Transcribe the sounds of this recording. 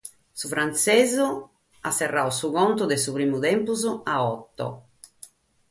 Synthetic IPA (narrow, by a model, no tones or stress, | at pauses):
sufɾant̪sɛːzu | asɛrːausuɣɔnt̪ud̪ɛsuβɾiːmuðɛmpuzuaɔt̪ːɔ̰